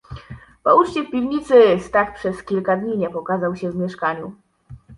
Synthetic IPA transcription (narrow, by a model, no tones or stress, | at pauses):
pɔut͡ʂt͡ɕɛfpʲivɲit̪sɘst̪akpʂɛskʲilkad̪ɲiɲɛpɔkazawɕɛvmʲjɛʂkaɲu